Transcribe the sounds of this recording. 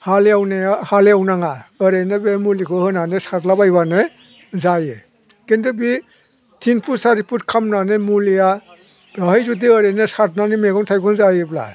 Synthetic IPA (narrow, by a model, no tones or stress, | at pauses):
haleawnehaleawnaŋaɯɾenɯbemulikʰɯhɯnanesatlabajbanɯ | zaje | kendɯbi | tʰinpʰusaɾipʰutkʰamnanemulija | ɾɔhajzudiəɾenɯsat̚nanimeɡɔŋtʰajkʰɔŋnzajebla̰